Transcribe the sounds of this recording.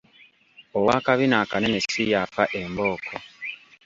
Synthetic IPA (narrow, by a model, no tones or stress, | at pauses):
owaːkaβinaːkanenesijafaʔemboːkʰo